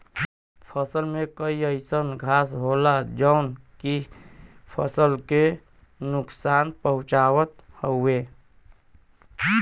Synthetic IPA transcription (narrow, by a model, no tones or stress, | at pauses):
pʰəsəlmẽkəiəɪsənɡʱaːsɦoːlad͡ʒəʊnki | pʰəsəlke | nʊksaːnpəɦʊ̃t͡ʃaːwət̪həe